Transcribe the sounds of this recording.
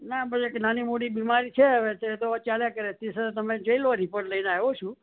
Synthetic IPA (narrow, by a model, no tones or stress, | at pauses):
nabəeknanimoɽibimaɾit͡ʃʰeəʋet̪et̪ot͡ʃaljakəɾet̪esət̪əmẽd͡ʒəilʋoɾipəɳləinaɦeʋot͡ʃʰũ